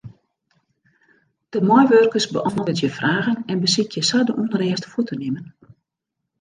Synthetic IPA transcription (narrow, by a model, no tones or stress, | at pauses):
d̥əmɔjʋørkəsbə̰ʔɔnɔətjəfrʔaːɣənɛnbəsɪtʰjəsadəʔundəɾɛːstə̥futənɪmən